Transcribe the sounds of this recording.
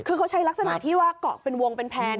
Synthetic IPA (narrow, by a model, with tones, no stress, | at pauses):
kʰɯː˧kʰa˦˥wt͡ɕʰa˦˥jla˦˥k̚sa˧na̰˨˩˦t̪ʰiː˥˩waː˥˩kɔ̰ː˨˩k̚pe˧nwo˧ŋpe˧npʰɛː˧n